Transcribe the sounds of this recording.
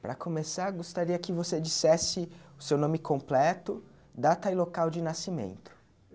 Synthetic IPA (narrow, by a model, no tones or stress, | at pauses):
pɾɐkʰomesaɾɡost̪aɾiɐkɪvosed͡ʒisɛsɪʊsewnõmɪkʰõmplɛt̪ʊ | d̪at̪ɐilokawd͡ʒɪnasimḛ̃nt̪ʊ̥